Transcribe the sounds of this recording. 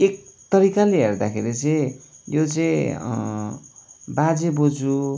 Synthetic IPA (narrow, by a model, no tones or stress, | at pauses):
ek̚t̪ʌɾikaleɦerd̪akʰḛɾit͡sʌĩjot͡sʌĩ | bad͡zebod͡zu